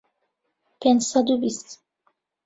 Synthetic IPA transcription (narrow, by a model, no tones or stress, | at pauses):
pʰɛ̃nd͡ʒsad̪ubist̪